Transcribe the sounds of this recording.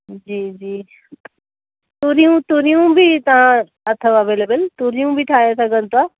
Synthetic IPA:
d͡ʒiːd͡ʒiː | t̪uɾijũt̪uɾijũbʱit̪ɐɦã | ɐt̪ʰəʋɐʋeːlebəlt̪uɾijũbʱiʈʰaːjasɐɡə̃nt̪a

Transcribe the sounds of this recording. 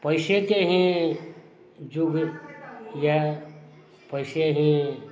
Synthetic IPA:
pʌjsek̪eɦĩ | d͡ʒuɡ | ja | pʌjseɦĩ

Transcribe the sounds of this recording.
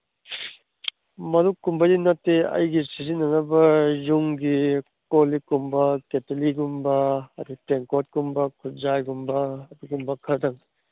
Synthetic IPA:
mɐdukːumbɐdinɐtːeɐ̰jɡisizinːɐnɐbɐjuŋɡi | kolikumbɐketɐliɡumbɐːd̪uteŋkot̚ɡumbɐkʰut̚zajɡumbɐːduɡumbɐkʰɐdɐŋ

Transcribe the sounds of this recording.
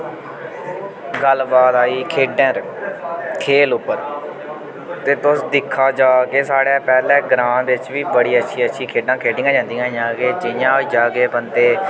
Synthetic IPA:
ɡəlbaːt̪aːiːkʰeːɖɛ̃ɾ | kʰeːlʊpːəɾ | t̪eːt̪ʊsd̪ɪkʰːaːd͡ʒaːkeːsaːɽjãːpɛːlɛ̃ːɡɾãːnd̪ʋɪt͡ʃʋiːbəɽiːətːʃʰiːətːʃʰiːkʰeːɖãːkʰeːɖɪ̃ŋãːd͡ʒãːnd̪ijãːĩjãːɡeːd͡ʒɪjãːd͡ʒaːɡeːpənd̪eː

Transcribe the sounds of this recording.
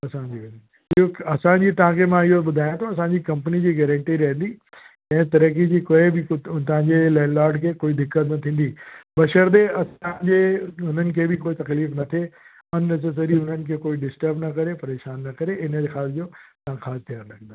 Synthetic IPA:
ɐsãɲd͡ʑi | ɪɦoɐsãɲd͡ʑiːt̪ɐʋ̤ãkʰemãɪɦoɓʊd̪ʱaːjãt̪ʰoɐsãɲd͡ʑikɐ̃mpənid͡ʑiːɡɛːɾə̃ɳʈiɾɐɦə̃nd̪i | ɛ̃ːt̪ɐɾəkid͡ʑiːkoebɪt̪ɐʋ̤ãɲd͡ʑelɛːnlaːɾɖkʰeːkoːid̪ɪkːət̪nɐt̪ʰĩːn̆d̪iɓɐʃəɾd̪eɐsãɲd͡ʑeɦʊn̤ənɪ̆kʰeːbɪkoːit̪ɐkliːfnɐt̪ʰe | ɐnːɐs̬eːs̬əɾiɦʊnənɪ̆kʰeːkoːiɖɪsʈəɾbnɐkɐɾepɐɾeːʃaːnːɐkɐɾeɪnəd͡ʑexaːsd͡ʑoːt̪ɐʋ̤ãxaːst̪ijaːɾlɐɡə̃nd̪a

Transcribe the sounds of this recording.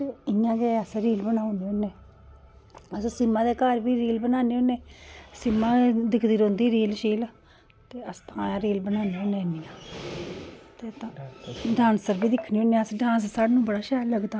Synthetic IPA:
t̪eɪjãːɡeəsɾiːlbənaːoniːonːeː | əssɪmːãːd̪eːkaːɾbiːɾiːlbənaːneːoneːsɪmːãːd̪ɪkʰd̪iːɾõːnd̪iːɾiːlʃiːl | t̪eːəst̪ãːãɾiːlbənaːniːoːnẽːnijãː | t̪eːt̪ãːɖãːnsəɾbiːd̪ɪkʰːniːoːneəsɖãːns̬saːɽnũːbəɽaːʃɛːləɡd̪aː

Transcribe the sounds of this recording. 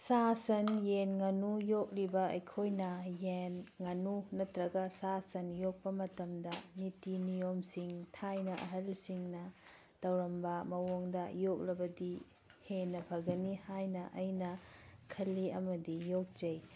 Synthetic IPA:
sasɐnjenŋɐnujok̚ɾibɐɐjkʰojnɐjenŋɐnunɐtɾɐɡɐsasɐnjok̚pɐmɐtɐmdɐnitinijomsiŋtʰajnɐʔɐɦɐlsiŋnɐ | d̥ɐwɾɐmbɐmɐwoŋdɐjok̚ɾɐbɐdi | henɐbʰɐɡɐnihajnɐʔɐjnɐkʰɐlːiɐmɐdijok̚d͡ʒɐj

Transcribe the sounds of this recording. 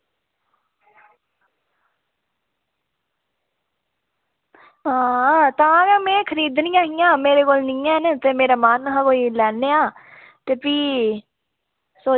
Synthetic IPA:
ɦãːt̪ãːkɛːmẽːkʰəɾiːd̪nĩjãːɦijãːmeːɾeːkoːlnĩːɛːnet̪eːmeːɾaːmanɦãːkoːiːlɛːneːãː | t̪eːpiː | soː

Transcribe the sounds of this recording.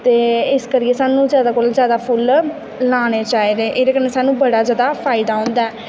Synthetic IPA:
t̪eːɪskəɾiːeːsaːnũːzjaːd̪aːkoːlzjaːd̪aːpʰʊlː | aːɽ̃eːt͡ʃaːeːd̪eːʔɪd̪eːkəɾneːsaːnũːbəɽaːzjaːd̪aːpʰaːɪd̪aːɦõːnd̪aɛː

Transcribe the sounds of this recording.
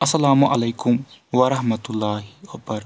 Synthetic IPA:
ɐsːɐlaːmuʔɐleːkʊmʋɐɾɐɦmɐt̪ʊlːaːɦiopɐɾ

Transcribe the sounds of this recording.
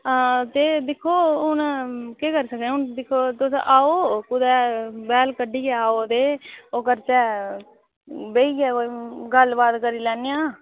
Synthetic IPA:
t̪eːd̪ɪkʰːoːʊnkeːkəɾsəkẽʊnd̪ɪkʰːoːt̪ʊsʔaːoːkʊd̪ɛːbɛːlkəɖiːkeaːoːd̪eːoːkəɾt͡ʃɛː | beːiːɛːoɡəlbaːd̪kəɾiːlɛːnːejãː

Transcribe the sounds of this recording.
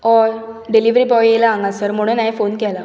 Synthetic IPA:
ɔ | ɖeliʋɾibɔjelaːŋɡasəɾmuɽ̃ũnãjfonkɛla

